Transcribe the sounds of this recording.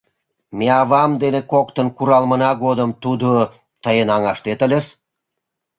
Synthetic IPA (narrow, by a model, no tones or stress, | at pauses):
meɑβɑmd̪enekokt̪ə̆nkuɾɑlmə̆nɑɡod̪əmt̪ud̪o | t̪əjənɑŋɑʃt̪et̪əlʲəs